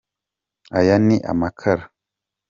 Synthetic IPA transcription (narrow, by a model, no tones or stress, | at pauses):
ajaniʔa̰makʰaɾ